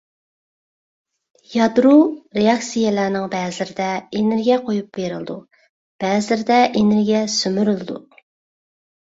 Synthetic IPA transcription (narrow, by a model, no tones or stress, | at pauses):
jɑd̪ɾoɾeɑksijɛlæɾnɪŋbɛːzɪlɪɾɪd̪ɛeneɾɡʲijɛqʰojup̚b̥eɾɨlˠɨd̪u | b̥ɛzɪlɪɾɪd̪ɛʔeneɾɡʲiɛsymyɾylˠɨd̪ṵ